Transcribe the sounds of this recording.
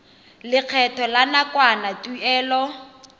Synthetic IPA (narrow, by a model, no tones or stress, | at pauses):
lɪq͡χʰɛtʰɔlanakwanatʼuɛːlɔ